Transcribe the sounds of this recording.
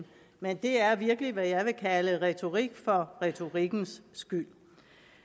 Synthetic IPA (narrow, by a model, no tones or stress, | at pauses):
mend̥e̝æɐʋiɐɡ̥əliʋæjɑ̈ɪʋe̝kʰæləʁɛt͡sʰo̝ʁiɡ̥fɒ̽ʁɛt͡sʰo̝ʁiɡ̥n̩sːɡ̥yl̰